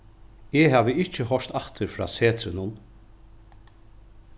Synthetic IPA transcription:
eɦaːʋəɪt͡ʃːəɦɔʂt̪aht̪əɾfɾɑ̰ːseːt̪ʰɾɪnʊn

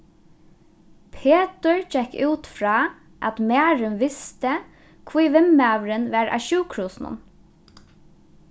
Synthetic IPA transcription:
pʰeːt̪əɹt͡ʃɛkʉːt̪fɹɑː | ʔæt̪mæːɹɪnʋɪst̪ə | kʰviːʋɪmæːʋɾɪnʋɑːɹʔa̰ːʃʉːkʰɹuːsn̩ʊ̰n

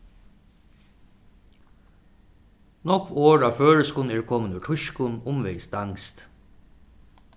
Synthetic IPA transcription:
nɔkʋoːɹaʋføːɹəskʊnɛːɹkʰɔːmənʉʈʰʊʃkʊnʊmʋeɪsd̪aŋst̪

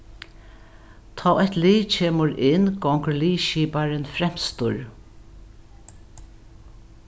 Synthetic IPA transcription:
t̪ʰaːɛht̪liːt͡ʃʰeːmʊɾɪnɡɔŋkəɹliːʃiːpaɾɪnfɾɛm̥st̪ʊɹ

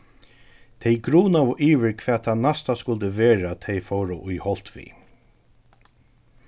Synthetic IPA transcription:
t̪ʰɛjɡɾuːnavʊʔiːʋɪɹkʰvɛːt̪ʰanast̪askʊlt̪ɪvɛːɹat̪ʰɛjfɔwɾaʔʊjhɔl̥t̪ʋḭː

